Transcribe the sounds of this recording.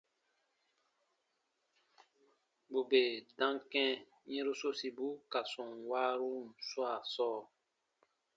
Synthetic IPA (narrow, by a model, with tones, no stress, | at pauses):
bu˨be˨dã˦ŋkɛ̃˦ | ɲɛ̃˦ɾu˦so˦si˨bu˦ka˨sɔ̃˨ŋwaː˦ɾu˦n˨swa˦˨sɔː˦˨